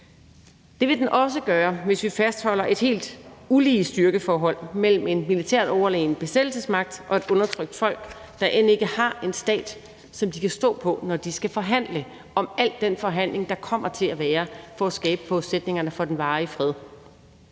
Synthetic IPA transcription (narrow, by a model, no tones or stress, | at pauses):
d̥e̝ʋe̝d̥enʔɒ̽s̬əɡ̥ɶːɐʋe̝sʋifæsd̥hɒ̽l̰ɐʔe̝d̥he̝̰ːld̥uliːsd̥yɐɡ̥əfɒːɦɒ̽l̰mel̰m̩e̝nmilit͡sʰæ̰ɐ̰d̥ɒʊɐlḛːn̩b̥e̝sed̥l̩səsmɑ̈ɡ̥̚d̥ʔɒ̽e̝d̥ɔ̽nɐt͡sʰʁœɡ̥̚d̥fɒ̽l̰ɡ̥ | d̥ɑ̈ʔene̝ɡ̥əhɑ̈e̝nsd̥ɛ̰ːd̥ | sɒ̽md̥ikʰæsd̥ɔ̰̽ːpʰɒ̽nɒd̥isɡ̥æfɒ̽ɦæn̰lə | ɒ̽mæl̰d̥ːenfɒ̽ɦæn̰le̝ŋd̥ɑ̈kʰɒ̽m̰ɐt͡sʰe̝læʋæːɐfɒ̽æsɡ̥ɛːb̥əb̥ʰɒ̽sed̥ne̝ŋɐnəfɒ̽d̥enʋɑ̈ːifʁɛð̞ˠ